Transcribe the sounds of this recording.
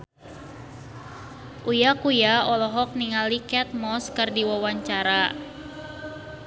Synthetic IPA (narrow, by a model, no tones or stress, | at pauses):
ʔujakujaɔlɔɦɔk̚niŋalikɛt̪̚mɔskɨrdiwawaɲt͡ʃaɾa